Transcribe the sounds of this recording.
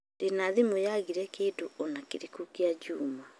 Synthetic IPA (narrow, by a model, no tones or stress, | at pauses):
d̥enaðimojaɣiɾɛkeːdoɔnakeɾikukiad͡ʒuːma